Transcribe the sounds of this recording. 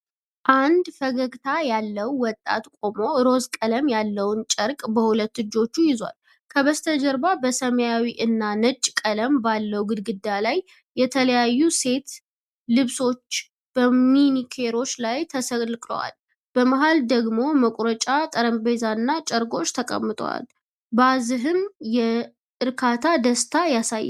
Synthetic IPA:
ʔand̪fəɡəɡt̪ʰajalːəwːɔt̪ʼːa̰t̪kʼo̞mo̞ɾo̞zkʼələmjalːəwnt͡ʃʼəɾkʼbəhulət̪ːɨd͡ʒo̞t͡ʃːujɪzwa̰l | kʰəβəst̪ʰəd͡ʒəɾbabəsəməjawiʔɨnːanət͡ʃʼːkʼələmbalːəwɡɨd̪ɡɨd̪ːalajː | ɛt̪ʰələjajːuse̞t̪ | lɨβso̞t͡ʃː | b̥əminikʰe̞ɾo̞t͡ʃːlajt̪ʰəsəlkʼlə̰wa̰l | b̥əmaɦald̪əɡmo̞məkʷʼɾət͡ʃʼat̪ʼəɾəmbe̞zanːat͡ʃʼəɾɡo̞t͡ʃːt̪ʰəkʼə̰mːɨt̪ʼwa̰l | bazɨɦɨnjɛ | ʔɨɾkʰat̪ʰad̪əst̪ʰajasajː

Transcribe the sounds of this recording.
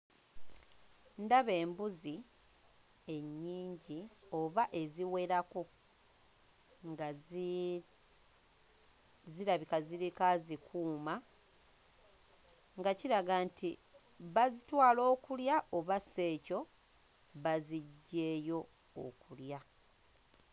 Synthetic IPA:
ndaβe̞ːmbuzi | e̞ɲːiːɲɟio̞βaʔe̞ziwe̞ɾako̞ | ŋɡa | ziɾaβikaziɾikazikʰuːma | ŋɡaciɾaɡanti | βazitwaːlo̞ːkuljaʔoβasːe̞ːco̞ | βaziɟːe̞ːjo̞ː | kulja

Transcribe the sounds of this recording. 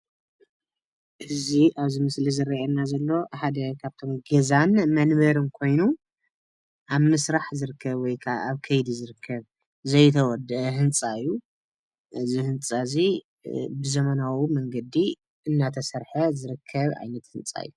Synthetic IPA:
ʔɨziʔaβzimɨslizɨɾɐʔenːazɐlːo̞ħad̪ɐkʰaβt̪ʰo̞mɡɐzanmɐnbɐɾɨnkʰo̞jnu | ʔaβmɨsɾaħzɨɾɨkʰːɐβwɔjkʰaaβkʰɐjd̪izɨɾɨkʰːɐβ | zɐjt̪ʰɐwɔd̪ːɨʔɐɦɨnt͡sʼaɨjːu | ʔɨzihɨnt͡sʼazi | bɨzɐmɐnawimɐŋɡɐd̪i | ʔɨnːat̪ʰɐsɐɾħɐzɨɾɨkʰːɐβa̰jnɐt̪hɨnt͡sʼa̰jːu

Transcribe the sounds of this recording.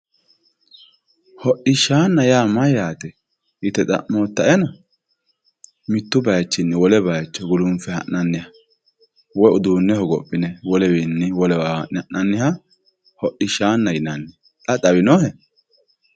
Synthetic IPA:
hɔʔɪʃaːnːɐjaːmɐjaːt̪ɛ | ʔɪt̪ɛt̪ʼɐ̰ʔmoːt̪ːɐʔɛnɐ | mɪt̪ːʊbɐjt͡ʃːɪnːɛwɔlɛbɐjt͡ʃːɔɡʊlʊmfɛhɐ̰nːɐnːɪhɐ | wɔjʊd̪uːnːɛhɔɡɔpʼːɪnɛwɔlɛwinːɪwɔlɛwaːhɐʔʔɐnːɪhɐ | hɔʔɪʃaːnːɐjɪnɐnːɪ | t̪ʼɐt̪ʼɐwɪnɔhɛ

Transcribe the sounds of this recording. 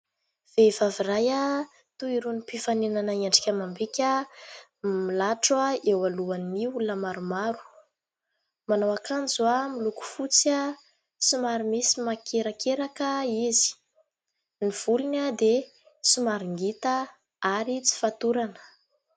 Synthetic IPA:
v̥eivaviraja | t̪uiɾunipifanenanaiaɳɖ͡ʐi̥kʲamambikʲa | milaʈ͡ʂwaewaluanːiulnəmaɾumaɾu̥ | manawakanzuamiluku̥fut͡sa | sumaɾumisimakʰeɾakeɾakəizi̥ | niv̥ulinad̪e | sumaɾiŋɡit̪a | aɾit͡si̥fat̪uɾanə̥

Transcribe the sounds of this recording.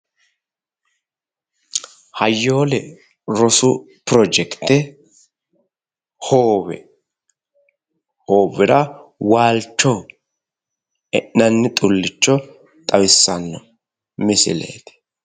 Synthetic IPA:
hɐjːoːlɛ | ɾɔsʊ | pɾɔd͡ʒɛkt̪ɛ | hoːbɛ̰ | hoːbɪɾɐwaːlt͡ʃːɔ | ɛʔːɐnːɪt̪ʼʊlːɪt͡ʃːɔ | t̪ʼɐwɪsːɐnːɔ | mɪsɪ̰lḛːt̪ɪ̥

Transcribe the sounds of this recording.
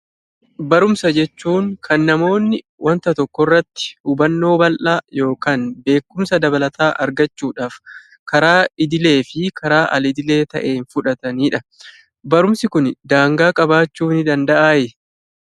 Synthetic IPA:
bɐɾʊmsɐd͡ʒɛt͡ʃːuːŋkʰɐnːɐmo̞ːnːɪ | wʔɐnt̪ɐt̪ɔkːɔrːɐt̪ːɪ̥hʊbɐnːo̞ːbɐlʔaːjo̞ːkaːnbe̞ːkːʊmsɐd̪ɐbɐlɐt̪ʰaːʔɐɾɡɐt͡ʃːuːᶑaːf | kɐɾaːɪd̪ɪle̞ːfɪkʰɐɾaːʔɐ̰lɪd̪ɪle̞ːt̪ɐ̰ʔe̞ːnfʊᶑɐt̪ɐniːᶑɐ | bɐɾʊmsɪkʊnd̪aːŋɡaːkʼɐbaːt͡ʃːuːnɪd̪ɐnd̪ɐʔaːjɛ

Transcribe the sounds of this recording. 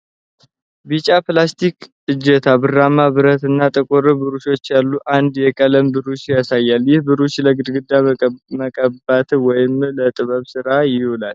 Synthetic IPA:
bit͡ʃʼaplast̪ʰikʼ | ɨd͡ʒːɛt̪ʰabɨramːaβɨɾət̪ɨnːat̪ʼɨkʼʊɾɨbɨɾuʃo̞t͡ʃːjalːuʔand̪jɛkʼələmbɨɾuʃjasajːaljɪhbɨɾuʃləɡɨd̪ɡɨd̪ːaməkʼəbat̪wɔjɪmlət̪ʼɨβəβsɨɾajɪholal

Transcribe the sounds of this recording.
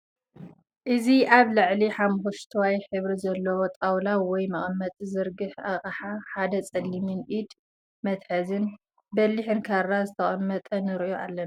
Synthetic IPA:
ʔɨziʔaβlɨʕliħamxuʃt̪ʰwajħɨβɾizɐlːɐwot̪ʼawlawɔjmɐχʼmːɐt̪ʼzɨɾɡɨħaχʼħaħad̪ɐt͡sʼɐlːimɨnʔid̪ | mɐt̪ħɐzɨn | bɐlːiħɨnkʰarːazɨt̪ʰɐχʼɐmːɐt̪ʼɐnɨɾiʔoʔalːɐna

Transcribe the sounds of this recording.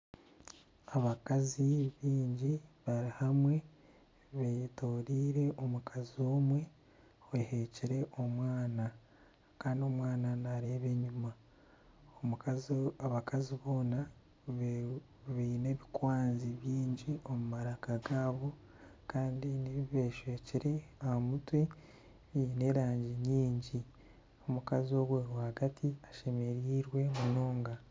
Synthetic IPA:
aβakaziβiːɲɟiβaɾihamwe̞ | βetoːɾiːɾe̞ʔomukʰazio̞ːmwe̞ | oehe̞ciɾe̞ʔo̞mwaːna | kaːndio̞mwaːnanaɾe̞ːβe̞ɲuma | om | aβakaziβo̞ːna | βiine̞ːβikwaːnziβjiːɲɟio̞mumaɾakaɡaːβo̞ | kaːndiniββe̞ːʃweːciɾe̞ahamutwe̞ | ine̞ːɾaːɲɟiɲiːɲɟi | o̞mukazio̞ɡwewahaɡatʰiaʃe̞me̞ɾiːɾwe̞muno̞ːŋɡa

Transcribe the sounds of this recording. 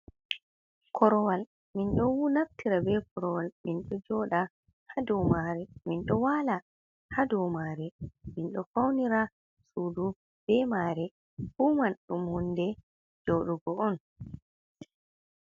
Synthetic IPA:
kʰɔɾɔwal | minɗɔwunaftiɾabɛkʰɔɾɔwalminɗɔd͡ʒɔɗa | hadɔwmaɾɛminɗɔwala | hadɔmaɾɛminɗɔfawniɾa | suːdu | b̥ɛmaːɾɛ | humanɗumhundɛ | d͡ʒɔɗuɡɔɔn

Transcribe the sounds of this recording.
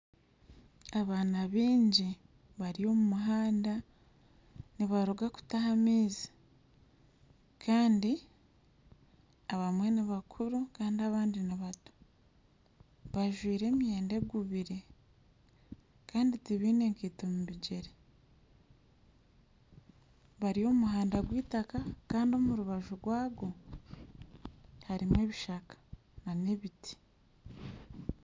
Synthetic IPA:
aβaːnaβiːɲɟi | βaɾio̞mumuɦaːnda | niβaɾuɡaku̥tahamiːzi̥ | kʰaːndi | aβamwe̞niβakʰuɾukaːndiaβaːndiniβatu̥ | βaʒwiːɾe̞ːmjeːnde̞ɡuβiɾe̞ | kaːnditiβiːne̞ŋkiːtomuβiɟe̞ɾe | βaɾio̞muɦaːndaɡwiːtakakaːndio̞ːmuɾuβaʒuɡwaːɡo̞ | haɾimwe̞ːβiʃakḁ | nane̞βiti̥

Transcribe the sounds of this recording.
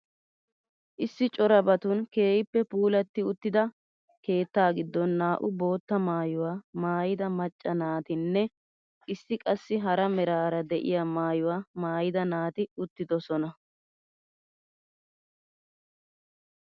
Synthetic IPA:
ʔɪsːɪt͡ʃʼɔɾɐbɐt̪ʊnke̞ːjɪpːɛpuːlɐt̪ːɪʊt̪ːɪd̪ɐ | ke̞ːt̪ːaːɡɪd̪ːɔnːaːʔʊbo̞ːt̪ːɐmaːjʊwaːmaːjɪd̪ɐmɐt͡ʃʼːɐnaːt̪ɪnːɛ | ʔɪsːɪkʼɐsːɪɦɐɾɐmɛɾaːɾɐd̪ɛʔɪ̰jamaːjʊwaːmaːjɪd̪ɐnaːt̪ɪʊt̪ːɪd̪ɔsɔnɐ

